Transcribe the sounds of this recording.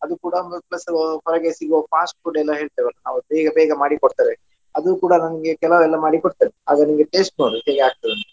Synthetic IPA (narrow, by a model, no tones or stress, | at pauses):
ɐd̪ukuːɽɐmplɐspɔɾɐɡesiɡʋopaːsʈ̚kuːɽɐɛlːɐɦeːɭt̪ɐʋɐlːɐnaːʋubeːɡɐbɛːɡɐmaːɽikɔɽt̪aɾe | ɐd̪ukuːɽɐnɐnɐɡekɛlɐʋɛlːɐmaːɽikɔɽt̪ɐnea̰ːɡɐnɐmɡeʈeːsʈ̚noɾuɦeːɡeaːk̚t̪ɐd̪ɐnu